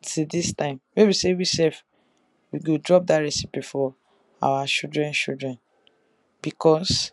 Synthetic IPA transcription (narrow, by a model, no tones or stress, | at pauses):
tʰidistãɪ̃mmebisewisɛlf | wiɡodɹɔp̚daɹɛsi̥pifɔ | a̰wat͡ʃildɹɛ̃nt͡ʃildɹɛ̃n | b̥ikʰɔs